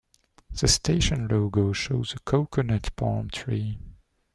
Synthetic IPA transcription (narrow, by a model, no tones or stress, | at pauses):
ð̥əstʰeɪʃə̃nloʊɡoʊʃoʊzəkʰoʊkʰənɛtbʰɔ̰̃ɹmtʰɹ̥i